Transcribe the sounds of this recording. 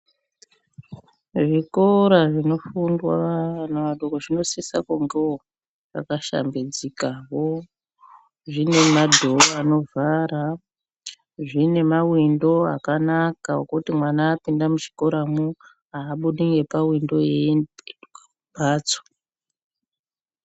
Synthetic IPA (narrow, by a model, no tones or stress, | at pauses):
ʐikoɾaʐino̞fundwa̰aanaʋaɗokoʐino̞sesa̰kuŋɡeo | ʋa̰kaʃa̰mbed͡zikaβo | ʐine̞madʱooano̞vʱaɾa | ʐine̞mawindo̞a̰kanakaokutimwanaːpindamut͡ʃi̥ko̞ɾamu | aːɓuɗiŋɡe̞pawindo̞e | bʱaːt͡so̥